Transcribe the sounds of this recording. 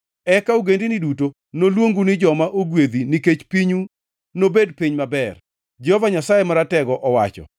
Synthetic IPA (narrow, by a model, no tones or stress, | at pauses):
ɛkauɡendiniduto | nolwoŋɡunɪd͡ʒɔmaʔoɡwed̪iniket͡ʃpiɲu | nobed̚piɲmabɛr | d͡ʒɛhɔvaɲasajemaɾatɛɡɔʔɔwa̰t͡ʃɔ̰